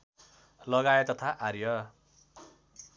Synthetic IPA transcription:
lʌɡaet̪ːʌt̪ʰaʔarjʌ

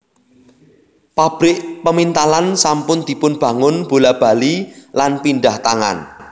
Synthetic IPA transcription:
pab̥ɾɪʔpəmint̪alansampʊnd̪̥i̤pʊnb̥ä̤ŋʊnb̥o̤lab̥a̤lilanpinɖaht̪aŋa̰n

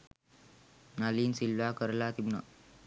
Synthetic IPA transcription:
naliːnsilʋakəɾlat̪imna

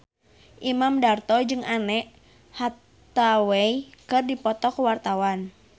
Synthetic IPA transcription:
ʔimamdart̪ɔd͡ʒɨŋanɛʔ | ha | t̪awɛikɨrdipɔt̪ɔkwart̪awan

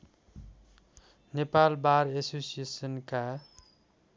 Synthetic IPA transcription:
nepalbaɾesosiesənka

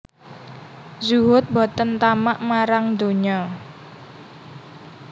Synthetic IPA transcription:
zuɦʊt̪̚bot̪ənt̪amaʔmaɾaŋd̪o̤ɲɔ

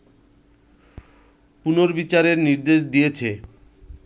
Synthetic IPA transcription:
punoɾbit͡ɕaɾeɾniɾd̪eʃ̬d̪ijet͡ɕʰe

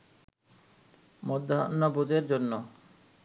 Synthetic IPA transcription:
mod̪ʱːaɔ̰nːabut̪eɾd͡ʑonːo

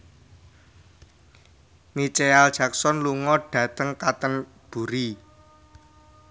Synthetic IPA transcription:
nit͡ʃeald̥ʒ̥a̤ksɔnluŋɔɖ̥ä̤t̪əŋkat̪ən | b̥ṳɾi

